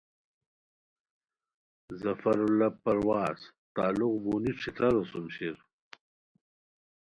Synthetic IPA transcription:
zɐfɐɾulapɐɾwaːz | t̪aːluqbuniʈ͡ʂʰit̪ɐɾosumɕiɾ

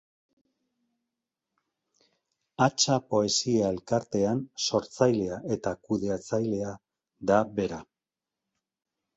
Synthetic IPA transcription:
at͡ʃapo̞e̞siae̞lkaɾt̪e̞anso̞ɾt͡sajle̞aʔe̞t̪akuðe̞at͡sajle̞a | d̪aβe̞ɾa

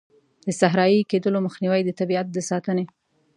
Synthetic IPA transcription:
d̪̥əsaɦɾɑjiked̪əloməxniwajd̪ət̪abiat̪̚d̪əsɑt̪əne

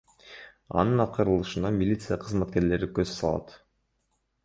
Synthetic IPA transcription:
ɑ̰nɯnɑqɯɾɯlˠɯʃɯnɑmʲilʲit̪sɨjaqʰɯzmɑt̪̚ke̞ɾle̞ɾikøz̥sɑ̰lˠɑ̰t̪

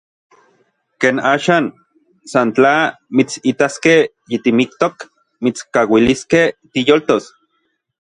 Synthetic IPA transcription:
keːnaːʃaːn | sant͡ɬa | mit͡sit̪askeh | jit̪imik̚t̪ok | mit͡skawiliskeht̪ijolt̪os

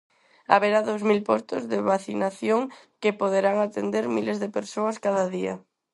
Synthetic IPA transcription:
a̰βeɾaðowzmilpɔst̪ʊzðeβaθinaθjoŋkɪpoðeɾaŋat̪end̪eɾmilezðepeɾsoɐskaðɐðiɐ̰

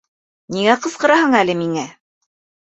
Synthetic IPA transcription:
niŋæqɤ̆sqɤ̆ɾɑhɤɴælɘmiŋæ

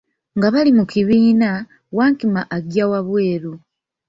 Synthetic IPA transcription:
ŋɡaβalimukiβiːna | waːŋkimaʔːɡjawaβwe̞ːɾu

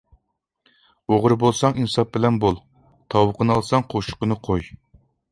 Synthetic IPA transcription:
oʁɾɨbolˠsɑŋinɨsɑp̚bɪlɛnbolˠ | t̪ʰɑwəqʰənɑlˠsɑŋqʰoʃʊ̥qənɨqʰoj

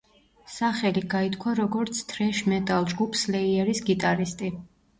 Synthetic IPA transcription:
saχɛliɡait̪ʰkʰwaɾɔɡɔɾt̪sʰt̪ʰɾɛʃmɛt̪ʼalˠd͡ʒɡupʰslɛiɛɾisɡit̪ʼaɾist̪ʼi

